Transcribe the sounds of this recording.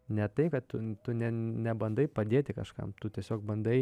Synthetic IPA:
nʲɛt̪ɐɪkɐt̪t̪ʊt̪ʊnʲɛnʲɛbɐnd̪ɐɪpɐd̪ʲeːt̪ʲɪkɐʃkɐ̰mt̪ʊt̪ʲiɛsʲoːk̚bɐnd̪ɐɪ

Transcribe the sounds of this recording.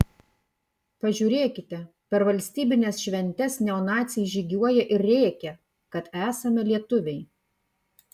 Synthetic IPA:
pɐʒʲuːɾʲeːkʲɪt̪ʲɛ | pʲɛɾʋɐlʲsʲt̪ʲiːbʲɪnʲɛsʃʲʋʲɛnʲt̪ʲɛsnʲɛɔnɑːt̪sʲɪjʒʲɪɡʲuɔjɛʔɪɾʲɾʲeːkʲɛ | kɐt̪æːsɐmʲɛlʲiɛt̪ʊʋʲɛɪ

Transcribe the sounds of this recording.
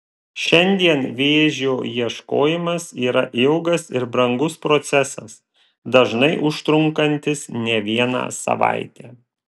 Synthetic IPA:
ʃʲɛnʲd̪ʲiɛnʋʲeːʒʲoːjiɛʃko̰ːjɪmɐsiːɾɐʔɪʊɡɐsɪɾbɾɐŋɡʊspɾot̪sʲɛsɐs | d̪ɐʒnɐɪʔʊʃt̪ɾʊŋkɐnʲt̪ʲɪsnʲɛʋʲiɛnɑ̰ːsɐ̰ʋa̰ˑɪt̪ʲæː

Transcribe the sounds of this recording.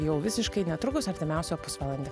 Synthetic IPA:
jɛʊʋʲɪsʲɪʃkɐɪnʲɛt̪ɾʊkʊsɐɾʲt̪ʲɪmʲɛʊsʲopʊsʋɐlˠɐnʲd̪ʲɛ

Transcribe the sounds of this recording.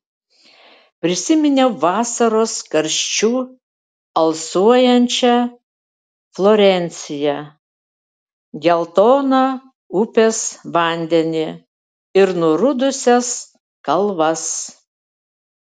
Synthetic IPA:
pʲɾʲɪsʲɪmʲɪnʲeʋɑːsɐɾoːskɐɾʲʃʲt͡ʃʲuː | ɐlˠsuɔjɛnʲt͡ʃʲɛ | flˠoɾʲɛnʲt̪sʲɪjɛ | ɡʲɛlˠt̪oːnɑ | ʊpʲesʋɐˑnʲd̪ʲɛnʲɪ | ɪɾnʊɾʊd̪ʊsʲɛs | kɐlˠʋɐs

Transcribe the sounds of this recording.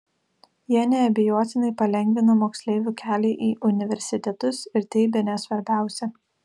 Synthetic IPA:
jiɛnʲɛɐbʲɪjoɔt̪ʲɪnɐɪpɐlʲɛŋʲɡʲʋʲɪnɐmoːksʲlʲeːʋʲuːkʲæːlʲeːʔiːʔʊnʲɪʋʲɛɾʲsʲɪt̪ʲɛt̪ʊsɪɾt̪ʲɛɪbʲɛnʲɛsʋɐɾʲbʲæˑʊsʲɛ

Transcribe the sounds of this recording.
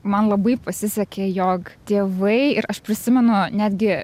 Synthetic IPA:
mɐnlˠɐbɐɪpɐsʲɪsʲɛkʲejoːkt̪ʲeːʋɐɪɪɾɐʃpʲɾʲɪsʲɪmʲɛnʊnʲæːd̪ʲɡʲɪ

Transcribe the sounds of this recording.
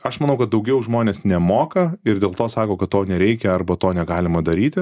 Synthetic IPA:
ɐʃmɐnɐʊkɐt̪̚d̪ɐʊɡʲɛʊʒmoːnʲeːsnʲɛmoːkɐɪɾd̪ʲeːlˠt̪oːsɑːkoːkɐt̪̚t̪oːnʲɛɾʲɛɪkʲɛɐrbɐtt̪oːnʲɛɡɑːlʲɪmɐd̪ɐɾʲiːt̪ʲɪ

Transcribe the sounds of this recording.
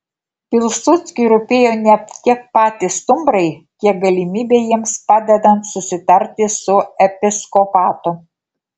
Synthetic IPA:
pʲɪlˠsʊt̪sʲkʲɪɾʊpʲeːjoːnʲɛkʲiɛk̚pɑːt̪ʲɪst̪ʊmbɾɐɪkʲiɛk̚ɡɐlʲɪmʲiːbʲeːjiɛmspɑːd̪ʲɛd̪ɐnt̪sʊsʲɪt̪ɐɾʲt̪ʲɪsʊɛpʲɪskɔpɑːt̪ʊ

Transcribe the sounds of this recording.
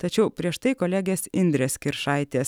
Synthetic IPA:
t̪ɐt͡ʃʲɛʊpʲɾʲiɛʃt̪ɐɪkoːlʲæːɡʲeːsɪnʲd̪ʲɾʲeːskʲɪɾʃɐɪt̪ʲeːs

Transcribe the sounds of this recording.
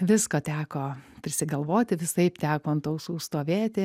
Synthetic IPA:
ʋʲɪskoːt̪ʲæːkoːpʲɾʲɪsʲɪɡɐlˠʋoːt̪ʲɪʋʲɪsɐɪpt̪ʲæːkoːɐnt̪oʊsuːst̪oːʋʲeːt̪ʲɪ

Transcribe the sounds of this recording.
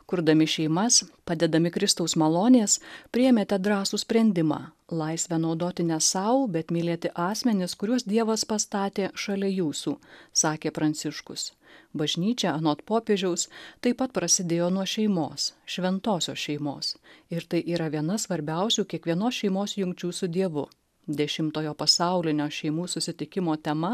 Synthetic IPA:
kʊɾd̪ɐmʲɪʃʲɛɪmɐspɑːd̪ʲɛd̪ɐmʲɪkɾʲɪst̪ɐʊsmɐlˠoːnʲeːspʲɾʲɪɛmʲeːt̪ʲɛd̪ɾɑːsuːsʲpʲɾʲɛnʲd̪ʲɪmɑ̰ːlˠɐɪsʲʋʲɛnɒʊd̪oːt̪ʲɪnʲɛsɐʊbʲɛt̪mʲiːlʲet̪ʲɪʔɑːsʲmʲɛnʲɪskʊɾʲuɔsd̪ʲiɛʋɐspɐst̪ɑːt̪ʲeːʃɐlʲɛjuːsuːsɑːkʲeːpɾɐnʲt̪sʲɪʃkʊs | bɐʒʲnʲiːt͡ʃʲɛɐnoːt̪poːpʲeːʒʲɛʊst̪ɐɪpɐt̪̚pɾɐsʲɪd̪ʲeːjoːnuɔʃʲɛɪmo̰ːsʃʲʋʲɛnt̪oːsʲoːsʃʲɛɪmo̰ːsɪɾt̪ɐɪʔiːɾɐʋʲiɛnɐsʋɐɾʲbʲɛˑʊsʲuːkʲiɛkʋʲiɛnoːsʃʲɛɪmoːsjʊŋʲkt͡ʃʲuːsʊd̪ʲiɛʋʊ | d̪ʲɛʃʲɪmt̪oːjoːpɐsɑˑʊlʲɪnʲoːʃʲɛɪmuːsʊsʲɪt̪ʲɪkʲɪmoːt̪ʲɛmɐ

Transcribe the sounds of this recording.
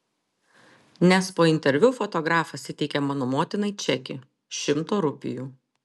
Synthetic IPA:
nʲɛspoːɪnʲt̪ʲɛɾʲʋʲʊfɔt̪ɔɡɾɑːfɐsʲɪt̪ʲɛɪkʲɛmɑːnomoːt̪ʲɪnɐɪt͡ʃʲɛkʲɪ̰ | ʃʲɪmt̪oːɾʊpʲɪ̰juː

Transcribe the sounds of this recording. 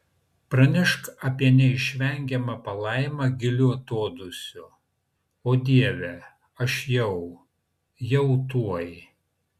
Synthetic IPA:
pɾɐnʲɪʃkɐpʲiɛnʲɛɪʃʲʋʲɛŋʲɡʲɛmɐpɐlˠɐɪmɐɡʲɪlʲʊɐt̪oːd̪ʊsʲʊ | oːd̪ʲiɛʋʲɛ | ɐʃjɛʊ | jɛʊt̪uɔj

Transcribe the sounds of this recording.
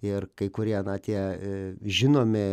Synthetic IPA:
ɪrkɐɪkʊɾʲiɛnɐt̪ʲiɛ | ʒʲɪnoːmʲɪ

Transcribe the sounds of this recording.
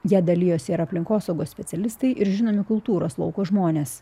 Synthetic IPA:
jiɛd̪ɐlʲɪjoːsʲɪɪɾɐpʲlʲɪŋkoːsɐʊɡoːssʲpʲɛsʲɛlʲɪst̪ɐɪʔɪɾʒʲɪnoːmʲɪkʊlˠt̪uːɾɐslˠɐ̰ʊkoːʒmoːnʲeːs

